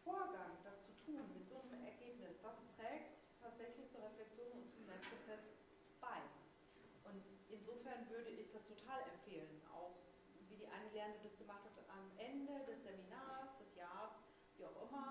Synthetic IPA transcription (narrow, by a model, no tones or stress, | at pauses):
foːɐɡaŋd̥ast͡sutʰuːnmɪtz̥oːnəmɛɐɡeːpnɪsd̥astʁ̥ɛːk̚ttʰaːtz̥ɛçlɪçt͡suːɐʁ̞ɛflɛk̚t͡sjoːnʊntt͡sumnɛtpʁ̥ot͡sɛs | b̥aɪ | ʔʊntʔɪnzoːfɛɐnvʏɐɾəʔɪçd̥astʰotʰaːlɛmfeːləna̰ʊx | viːdiːʔa̰ɪnəlɛːɐndədasɡ̥əmaχthatamʔɛndədɛsz̥eminaːsd̥ɛsjaːʁs | viːaʊxʔɪmɐ